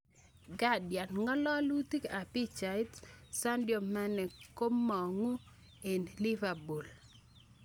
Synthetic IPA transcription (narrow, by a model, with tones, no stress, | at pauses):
ɡa˦dja˨nŋɔ˦lɔ˦lu˦t̪i˦ka˨pi˦t͡ʃa˨jtsa˦ndjo˨mːa˦nɛ˨ko˦mːɔ˨ŋu˦ | e˨nli˦va˨bu˨l